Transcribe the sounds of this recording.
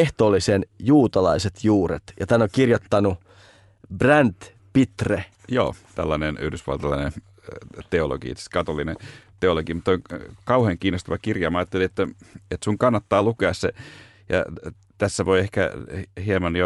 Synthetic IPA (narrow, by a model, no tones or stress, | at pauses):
eht̪oːlːˑisenjuːt̪ɑlɑiset̪juːɾḛt̪jɑt̪æːnokirjot̪ːɑnu | brænt̪ | pit̪re | jo̰ːt̪æ̰lːɑneny̰hdysʋɑ̰lt̪ɑlɑine | t̪eolo̰ɡ̥ḭḛt̪sskɑt̪olːinet̪eoloɡimut̪ːoiŋkɑuheːŋkiːnːost̪ɑʋɑkirjɑːmɑːɑt̪ːeliet̪ːæet̪suŋkɑnːɑt̪ːɑːlukeɑsse | jɑ̰ | t̪æsːæʋoiehkæ̰hiemɑnjo